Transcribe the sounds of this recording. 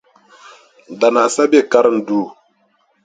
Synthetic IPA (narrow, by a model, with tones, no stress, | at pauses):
da˨na˨sa˦be˦ka˦ɾŋdu˦˨